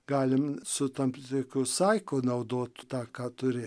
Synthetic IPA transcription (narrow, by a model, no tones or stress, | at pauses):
ɡɑːlʲɪmsʊt̪ɐmt̪oːkʲoːsɑɪkoːnɐʊd̪oːt̪t̪ɑːkɑːt̪ʊɾʲɪː